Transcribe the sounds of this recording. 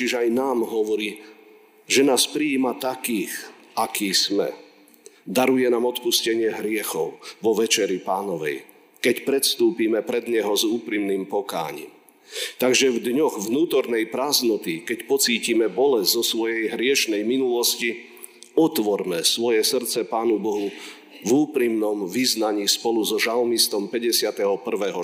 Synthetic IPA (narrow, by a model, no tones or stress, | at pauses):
ɛiʒajnaːmɦɔʋɔɾiː | ʒɛnaːspɾiiːmat̪akiːx | ʔakiːsmɛ̰ | d̪aɾujɛnaːmɔt̪puscɛɲɪɛɦɾɪɛxɔʊʋɔʋɛt͡ʃɛɾipaːnɔʋɛ̰j | kɛcpɾɛt̪st̪uːpiːmɛpɾɛd̪ɲɛɦɔzuːpɾimniːmpɔka̰ːɲḭːm | t̪aɡʒɛvd̪ɲɔɣvnuːt̪ɔɾnɛjpɾaːznɔt̪ikɛcpɔt͡siːcimɛbɔlɛzzɔsʋɔjɛjɦɾɪɛʃnɛjminulɔsci | ɔt̪ʋɔɾmɛsʋɔjɛsr̩t͡sɛpaːnubɔɦu | vuːpɾimnɔmʋiznaɲiːspɔluzɔʒalmist̪ɔmpɛɟɛsɪat̪ɛɦɔpr̩ʋɛɦɔ